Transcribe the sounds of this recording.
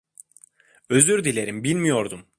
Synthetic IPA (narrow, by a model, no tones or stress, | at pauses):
ø̞zyɾd̪ilʲe̞ɾimbilʲmijo̞ɾd̪um